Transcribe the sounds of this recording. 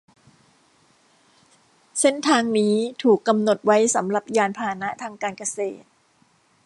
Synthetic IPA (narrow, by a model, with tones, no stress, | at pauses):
se˥˩nt̪ʰaː˧ŋniː˦˥t̪ʰuː˨˩kːa˧mno˨˩t̪̚wa˦˥jsa˩˦mɾa˨˩p̚jaː˧npʰaː˧na˦˥ʔt̪ʰaː˧ŋkaː˧nka˧sḛː˨˩t̪̚